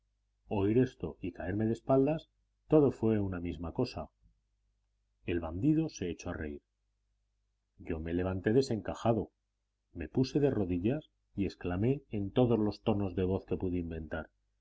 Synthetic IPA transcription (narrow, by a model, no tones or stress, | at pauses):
o̞iɾe̞st̪o̞ikae̞ɾme̞ð̞espald̪as | t̪o̞ðo̞fwe̞unamizmako̞sa | e̞lβand̪iðo̞se̞et͡ʃoare̞iɾ | ɟ͡ʝo̞me̞le̞β̞ant̪e̞ð̞e̞se̞ŋkaxaðo̞ | me̞puse̞ð̞e̞ro̞ðiʝas | ie̞sklame̞ːnt̪o̞ðo̞zlo̞st̪o̞no̞zðe̞β̞o̞θke̞puðeimbẽ̞nt̪aɾ